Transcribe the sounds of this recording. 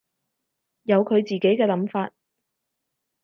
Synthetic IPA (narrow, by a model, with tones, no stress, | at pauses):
jɐ˨˧wkʰɵ˨˧ɥt͡siː˨˩ke˨˥jkɛː˧lɐ˨˥mfaː˧t̚